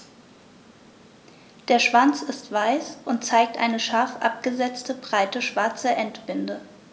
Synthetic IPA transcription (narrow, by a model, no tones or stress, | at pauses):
d̥eːɐʃv̥ant͡sɪstv̥aɪsʔʊntt͡saɪk̚tʔa̰ɪnəʃaɐfʔa̰p̚ɡ̥əzɛt͡stəbʁaɪtəʃv̥aɐt͡səʔɛntb̥ɪndə